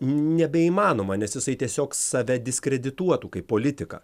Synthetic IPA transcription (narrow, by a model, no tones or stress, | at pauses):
nʲɛbʲɛiːmɑːnoːmɐnʲɛsjɪsɐɪt̪ʲiɛsʲoːksɐʋʲɛd̪ʲɪsʲkɾʲɛd̪ʲɪt̪uɔt̪uːkɐɪppoːlʲɪt̪ʲɪkɐ̰ː